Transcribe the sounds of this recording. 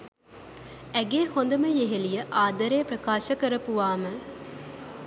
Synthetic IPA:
æɡeːhond̪ɐməjeɦelijɐʔaːd̪ɐɾejpɾɐkaːʃɐkɐɾɐpuʋaːmə

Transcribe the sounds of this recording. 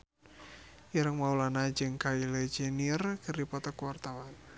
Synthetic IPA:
ʔiɾəŋmaulanad͡ʒɨŋkailed͡ʒenirkʰəɾipɔt̪ɔkwart̪awan

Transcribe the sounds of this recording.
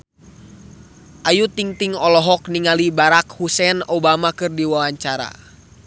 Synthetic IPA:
ʔajut̪iŋt̪iŋɔlɔɦɔkniŋalibaɾakhusɛnɔbamakɨrdiwawaɲt͡ʃaɾa̰

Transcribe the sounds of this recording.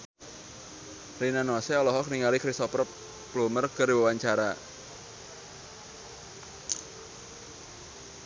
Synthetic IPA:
rinanasɛɔlɔɦɔk̚niŋalikɾist̪ɔpɾɔp | plumərkəriwawaɲt͡ʃaɾa

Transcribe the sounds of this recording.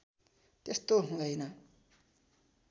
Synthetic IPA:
t̪est̪oɦũd̪ʌjnʌ

